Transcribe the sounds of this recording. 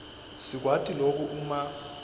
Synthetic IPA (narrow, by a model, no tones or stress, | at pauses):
sik̬watʼilok̬ʼuʔuma